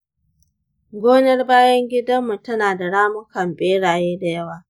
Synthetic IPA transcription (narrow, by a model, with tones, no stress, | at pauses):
ɡʷoː˦nɐ˦rbaː˦jɐ˦ŋɡʲɪ˦dɐ˦mːu˨tɐ˦naː˨da˨ɽaː˦mʊ˦kɐ˨mbʼeː˦ɽaː˨jeː˦da˨jɐ˦waː˨